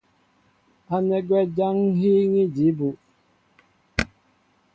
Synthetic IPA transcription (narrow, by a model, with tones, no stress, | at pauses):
a˨nɛ˦ɡwɛ˦d͡ʒa˦ŋ˦ɦi˦ŋi˦d͡ʒi˨˦bu˨